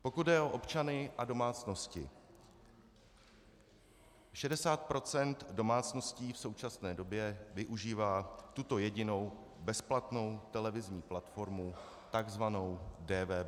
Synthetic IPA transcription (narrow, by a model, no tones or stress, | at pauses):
po̞kud̪dɛʔo̞ʔo̞pt͡ʃanɪʔado̞maːt͡sno̞scɪ̰ | ʃɛdɛsaːt̪̚pɾo̞t͡sɛnt̪do̞maːt͡sno̞sciːfso̞wt͡ʃasnɛːdo̞bjɛvɪʔuʒiːvaːt̪ut̪o̞jɛɟɪno̞w | bɛsplat̪no̞wt̪ɛlɛvɪzɲiːplat̪fo̞ɾmu | t̪aɡzvano̞wdɛːvɛː